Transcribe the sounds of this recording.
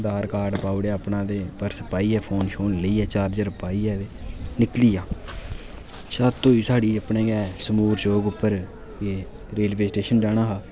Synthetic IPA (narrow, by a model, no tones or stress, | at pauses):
d̪aːɾkaːɾɖpaːuɽeːəpnãːd̪eːpəɾsəpaːiːɛːpʰoːnʃoːnləiːɛːt͡ʃaːɾd͡ʒəɾʊpaːiːɛːenɪkliːaː | saːt̪oːiːsaːɽiːəpnẽːɡɛːsəmuːɾd͡ʒoːɡʊpːəɾ | eː | ɾeːlbeːsʈeːʃənd͡ʒaːɽaːɦaː